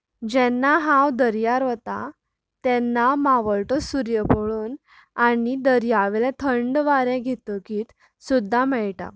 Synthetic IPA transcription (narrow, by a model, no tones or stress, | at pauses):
d͡ʑɛnːaɦãwd̪əɾjaɾʋət̪a̰ | t̪ɛnːamaʋəɭʈəsuɾjəpəɭuːn | aɽid̪əɾjaʋlɛ̃t̪ʰəɳɖʋaɾɛ̃ɡʱet̪əkiːt̪ | sud̪ʱːamɛɭʈa̰